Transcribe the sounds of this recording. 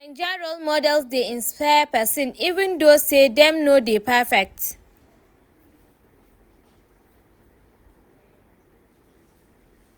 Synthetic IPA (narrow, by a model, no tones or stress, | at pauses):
ɛ̃nd͡ʒaɹolmɔdɛlsdeĩnspʰajpɛsə̃nivə̃ndosedɛ̃mnodepʰɛfɛk̚t